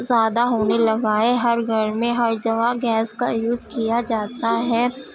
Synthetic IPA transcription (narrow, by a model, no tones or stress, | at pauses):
zaːd̪aɦoːnelɐɡaːeɦɐɾɡʱɐɾmẽɦɐɾd͡ʒɐɡaɡɛːskajuːzkijad͡ʒaːt̪aɦɛː